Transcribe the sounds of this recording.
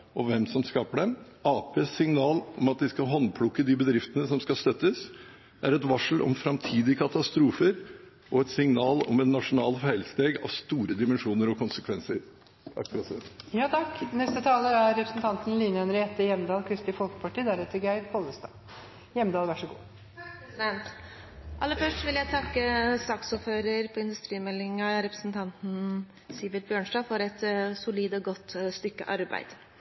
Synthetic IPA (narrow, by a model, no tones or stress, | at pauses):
ʔɔʋɛmsɔmskɑːpəɖɛm | ɑːpʰeːsːɪŋnɑːlɔmɑt̪̚d̪ɪskɑɦɔnpʰlʊkːəd̪ɪbəd̪ɾɪft̪ənəsɔmskɑst̪œt̪ːəs | æɾɛt̪ʋɑʂɭ̩ʔɔ̰mfɾɑmt̪ʰiːd̪ɪəkʰɑt̪ɑst̪ɾuːfəɾ | ʔɔɛt̪sɪŋnɑːlɔ̰mɛt̪nɑʂʊnɑːlfæɪlst̪eːɡɑ̰ʋst̪uːɾəd̪ɪmɛnʂuːnəɾɔkʰʊnsəkʰʋɛnsəɾ | ɑ̰kːɾɑt̪sɛjɑːt̪ʰɑknɛst̪ət̪ʰɑːləæɾɾɛpɾəsn̩t̪ʰɑnt̪nliːnœnɾəɛt̪ːəjɛmd̪ɑːlkʰɾɪst̪ɪfɔlkə̥pʰɑʈiːd̪æɾɛt̪ːəɾɡæɪɾpʰɔləst̪ɑ̰ː | jɛmːd̪ɑːlʋæʂəɡṵː | d̪ɛnt̪ | ʔɑlːəfœʂʈʋɪljæɡt̪ʰɑkːəst̪ɑːksɔɾføːɾəɾpʰɔɪnd̪ʉst̪ɾiːmɛlːɪŋɑɾɛpɾəsn̩t̪ʰɑnt̪n̩ | siːʋɪt̪̚bjøːɳʂɖɑːfɔɾɛt̪sʊliːd̪ɔɡɔt̪ːst̪ʏkːə̰ʔɑɾbæ̰ɪd̪̥